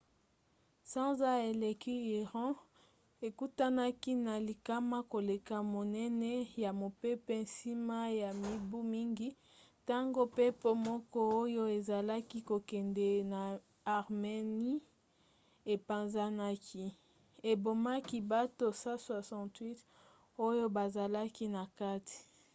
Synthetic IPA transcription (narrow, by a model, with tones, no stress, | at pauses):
sɑ̃˦za˦e˨le˨ki˦i˨ʁɑ̃˦ | e˨ku˦ta˦na˦ki˦na˨li˨ka˦ma˦ko˨le˨ka˨mo˨nɛ˦nɛ˦ja˨mo˨pe˦pe˦˨si˦ma˦ja˨mi˦bu˦mi˦ŋɡi˦ | ta˦ŋɡo˦pe˦po˦mɔ˦kɔ˦o˦jo˦e˨za˨la˦ki˦ko˨kɛ˨ndɛ˨na˨ | a˨ʁme˨ni˦ | e˨pa˨nza˦na˦kʰi˦ | e˨bo˨ma˦ki˦ba˦to˦sa˦swa˨sã˦twi˦t | o˦jo˦ba˨za˨la˦ki˦na˨ka˦ti̥˨